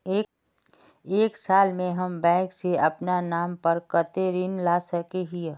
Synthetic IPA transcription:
eː | eːksaːlmẽɦɐmbɛ̃ːkseɐpnanaːmpɐɾkɐt̪eɾinlaːsɐkeɦie

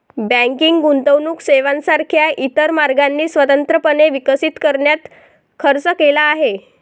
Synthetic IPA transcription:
bə̃ŋkiŋɡɡunt̪əʋnuːkseʋãnsaɾkʰjaʔit̪əɾmaɾɡanːiːsʋət̪ənt̪ɾəpəneʋikəsiːt̪kəɾɳjat̪ | kʰəɾt͡səkelaːɦe

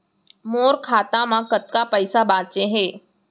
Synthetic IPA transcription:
moːɾkʰaːt̪amãkət̪kapəɪsaɓaːt͡ɕeɦeː

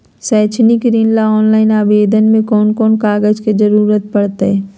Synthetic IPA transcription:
sɛːt͡ʃʰnikɾiːnlaɔːnlaːɪnaːʋeːd̪ʱənmẽkɔːnkɔːnkaːɡəd͡ʒked͡ʒɐɾuːɾət̪̚pɐɽt̪eɦɛː

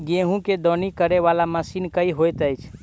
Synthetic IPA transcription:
ɡẽɦũked̪ɔnikəɾeʋalaməsinkəiɦojt̪əjt͡ʃʰ

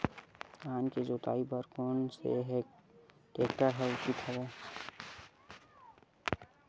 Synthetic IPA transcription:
aːnked͡ʒoːt̪a̰ːibəɾkoːnsḛɦeːk̚ | ʈeːkʈaɾɦɛʊt͡ʃit̪ɦɛbɛː

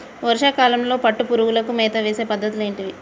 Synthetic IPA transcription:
ʋɐɾuʂaːkaːlɐmlo̞ːpɐʈːupuɾuɡulɐkumɛːt̪ɐʋeːse̞ːpɐd̪ːɐt̪̬ule̞ːɳʈiʋi

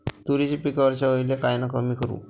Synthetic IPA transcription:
t̪uɾit͡ɕipikəʋəɾɕaʋəiljakajnakəmikəɾṵ

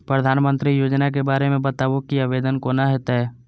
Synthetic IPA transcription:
pɾəd̪ʱaːnmə̃nt̪ɾijoːd͡ʒnak̬ebaːɾemẽbət̪aːəkiaʋeːd̪ənkoːnaɦɛːt̪aɦɛː

